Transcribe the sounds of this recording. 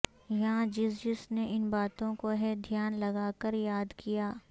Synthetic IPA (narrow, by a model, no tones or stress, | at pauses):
jɐɦãd͡ʒɪsd͡ʒɪsneʔɪnbaːt̪õkoɦɛd̪ʱjaːnlɐɡaːkəɾjaːd̪kijaː